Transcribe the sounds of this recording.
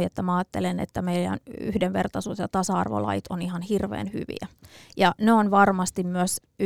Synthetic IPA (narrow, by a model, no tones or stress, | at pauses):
iet̪ːæmæɑːt̪ːelenḛt̪ːæmeilæ̰ny̰hdeʋʋert̪ɑsuːt̪jɑt̪ɑsɑɑ̰rʋo̰lɑ̰jit̪onihɑnhirʋḛːnhy̰ʋḭæjɑneonʋɑrmɑst̪immyøs | y